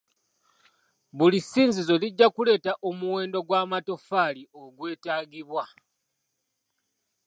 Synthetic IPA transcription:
βulisiːnzizo̞liɟːakule̞ːtaʔo̞muwe̞ːndo̞ɡwaːmato̞faːlio̞ɡwe̞ːtaːɡiβwa

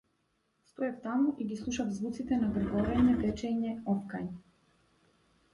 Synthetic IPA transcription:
st̪ɔɛft̪amuʔiɡislˠuʃavzvut̪sit̪ɛnaɡr̩ɡɔɾɛɲɛpɛt͡ʃɛɲɛɔfkajn

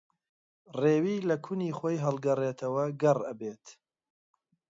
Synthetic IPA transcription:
reːwiːlɐkʰuniːχoːjɦɐlˠɡɐreːt̪ʰɐwɐɡɐrɐbeːt̪

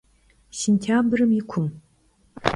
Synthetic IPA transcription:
sentʰaːbrɨmɪkʷʰʊm

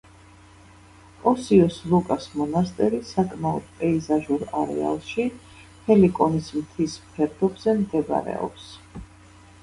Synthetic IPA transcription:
pʼɔsiɔslˠukʼasmɔnast̪ʼɛɾisakʼmaɔd̪̥̚pʼɛizaʒuɾaɾɛ̰a̰lˠʃi | hʰɛlikʼɔnismt̪ʰismpʰɛɾd̪ɔbz̥ɛmd̪ɛb̰ɾɛ̰ɔ̰ps

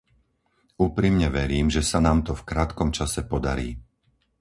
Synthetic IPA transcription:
uːpɾimɲɛʋɛɾiːmʒɛsanaːmt̪ɔfkɾaːt̪kɔmt͡ʃasɛpɔd̪a̰ɾiː

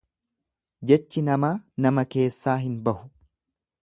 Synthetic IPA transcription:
d͡ʒɛt͡ʃːɪnɐmaːnɐmɐke̞ːsːaːɦɪnbɐhʊ̥

